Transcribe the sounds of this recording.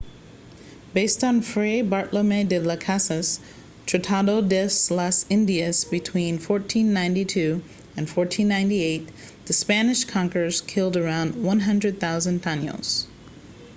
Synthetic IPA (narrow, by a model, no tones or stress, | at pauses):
b̥eɪstn̩fɹeɪbɑɹʔləmedɨləkʰæsɨs | tʰɹ̥ɨtʰɑɾoʊdɛslʌsɪ̃ndiɨsb̥ɨtʰw̥ĩnfɔɹtʰĩnːãɪ̃ntitʰʉ | ɨ̃nfɔɹtʰĩnːãɪ̃ntieɪt̪̚ | ðɨspænɨʃkʰɑ̃ŋkə˞z̥kʰɪlˠdə˞ãʊ̃nd̚wʌ̃nɦʌ̃ndɹɨd̪̚θaʊzɨ̃ntʰanjo̰lˠz̥